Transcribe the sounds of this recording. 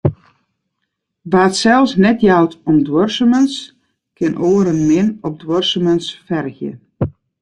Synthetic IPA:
ʋatsɛlˠsnɛtjawtɔmdwɔrsəməns | kɪnʔoːəɾənmɪnɔp̚dwɔrsəmənsfɛrɣjə̰

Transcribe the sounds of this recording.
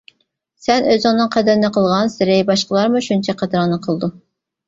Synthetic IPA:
sɛnøzɪŋnɨŋqʰɛd̪ɪɾɪnɪqʰəlˠʁɑnsɪɾɪjbɑʃqəlˠɑɾmuʃunt͡ʃʰɛqʰæd̪ɾɑŋnɨqʰəlˠd̪u

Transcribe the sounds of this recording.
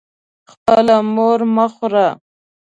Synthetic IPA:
xpəlamoɾməxɾa

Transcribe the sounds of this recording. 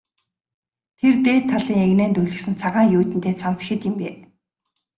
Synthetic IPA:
t̪ʰert̪eːt̪ʰːaɮiːŋeɣnæːnt̪ɵɮɘ̆sɘ̆nt͡sʰaʁaːŋjuːt̪ɘ̆nt̪ʰeːt͡sʰan̥t͡sə̥̆xɘ̆t̪jɪ̆mpeː

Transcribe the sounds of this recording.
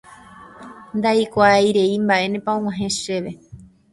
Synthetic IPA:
nd̪aikʷaajɾe̞imbaʔe̞nẽpaõŋ̃wãɦẽ̞ʃe̞ʋe̞

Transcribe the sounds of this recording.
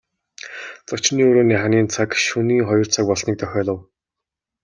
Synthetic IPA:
t͡sɔt͡ɕniːoɾoːniːχaniːnt͡sʰakʃuniːŋχɔjɞ̆r̥t͡sʰak̚pɔɮsniːk̚t̪œxʲɔːɮə̆w

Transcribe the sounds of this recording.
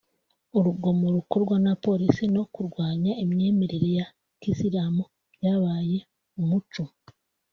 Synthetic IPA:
uɾuɡo̞moɾukoɾɡwanapo̞ɾisino̞kuɾɡwaːɲaimɲe̞ːmeɾeɾeja | kisiɾaːmu | jaβaːje̞ | umut͡ʃu

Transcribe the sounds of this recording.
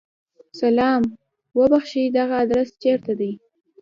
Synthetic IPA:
salɑm | wəbaxʃid̪aɣaːd̪ɾast͡ʃeɾt̪ad̪əj

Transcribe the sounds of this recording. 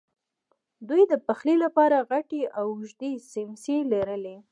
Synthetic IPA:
d̪ujd̪əpaxlilapɑɾaɣaʈeʔawʒd̪esɪnselaɾəle

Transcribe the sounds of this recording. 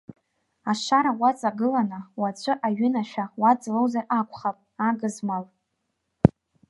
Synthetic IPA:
aʂaɾawat͡sʼaɡɨlanawat͡ɕʷʰʼɨʔaɥʏnaʃᶣawad͡zlowzarakʷʰʼχapʼaɡɨzmal

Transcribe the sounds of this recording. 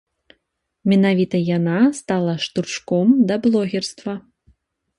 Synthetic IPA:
mʲɛnavʲit̪ɐjanast̪alˠɐʂt̪urt͡ʂkɔmd̪ɐblˠɔɣʲɛrst̪vɐ

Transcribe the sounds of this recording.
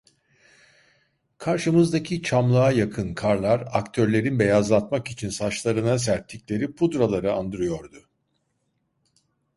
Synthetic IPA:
kʰaɾʃɯmɯzd̪acʰit͡ʃʰamlˠaajakʰɯnkʰaɾlˠaɾa̰kt̪ʰø̞ɾlʲe̞ɾinbe̞jazlˠat̪makit͡ʃʰinsat͡ʃlˠaɾɯnas̬æɾt̪ʰːicʲlʲe̞ɾipʰud̪ɾalˠaɾɯand̪ɯɾɯjo̞ɾd̪ʊ

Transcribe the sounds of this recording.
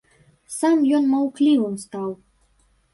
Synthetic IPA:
samjɔnmɐwklʲivɨmst̪aw

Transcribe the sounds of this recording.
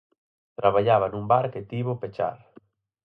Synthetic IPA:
t̪ɾaβaʎaβanũmbaɾket̪iβʊpet͡ʃa̰ɾ

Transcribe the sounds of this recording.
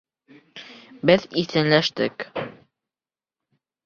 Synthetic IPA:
bɘðiθɘ̆nlæʃt̪ɘ̰k

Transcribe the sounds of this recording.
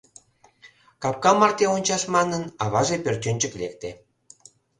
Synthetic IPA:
kɑp̚kɑmɑrt̪eonʲt͡ɕɑʃmɑnənɑβɑʒepørt̪ʲønʲt͡ɕəklek̚t̪e

